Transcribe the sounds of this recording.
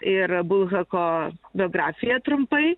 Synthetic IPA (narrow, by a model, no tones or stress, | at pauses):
ʔɪɾbʊlˠɣɐkobʲɔːɡɾaːfʲɪjɛt̪ɾʊmpɐɪ